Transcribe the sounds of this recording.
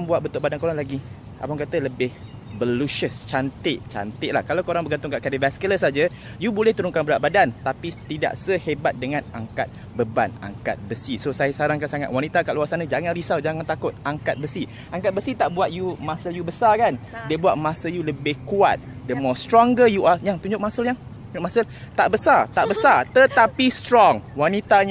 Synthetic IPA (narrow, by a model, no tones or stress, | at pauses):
ŋbuat̪̚bənt̪ʊʔbadankoɾanlaɡi | a̰paŋkat̪ələbɪhbəluʃəst͡ʃant̪ɪʔt͡ʃa̰nt̪ɪʔla̰hkalawkoɾaŋbəɡant̪ʊŋkaʔkadəvɛskələsad͡ʒə | jubolɛht̪uɾʊŋkanbəɾat̪̚badant̪apit̪ida̰ʔsəhebat̪̚dəŋãnaŋkat̪̚ | bəba̰na̰ŋka̰t̪̚bəsisosajasaɾaŋkansaŋa̰t̪̚wanit̪akaʔluasanəd͡ʒaŋanrisawd͡ʒaŋant̪akʊt̪̚aŋkat̪̚bəsi | ʔaŋkat̪̚bəsit̪aʔbuat̪̚jumasəljubəsarkan | diəbuat̪̚masəjuləbɪhkua̰t̪̚dəmost̪ɾɔŋɡəjuʔajaŋt̪uɲd͡ʒʊk̚masəljaŋt̪unɲʊk̚masəlt̪aʔbəsart̪aʔbəsart̪ət̪apist̪ɾɔŋwanit̪aɲ